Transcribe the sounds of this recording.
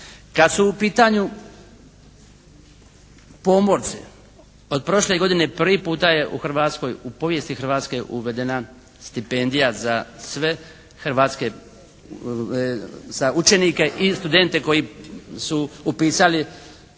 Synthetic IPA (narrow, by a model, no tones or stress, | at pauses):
kad̪suːpiːt̪aɲu | po̞moɾt̪sḭ | o̞d̪̚pɾo̞ʃle̞ɡo̞d̪ine̞pr̩ʋipuːt̪aje̞ʔuxr̩ʋaːt̪sko̞jupo̞ʋje̞st̪ixr̩ʋaːt̪ske̞ʔuʋe̞d̪e̞na | st̪ipe̞nd̪ijazasʋe̞ | xɾʋaːt̪ske | z̥aut͡ʃenike̞ʔist̪ud̪e̞nt̪eko̞jisuːpiːsali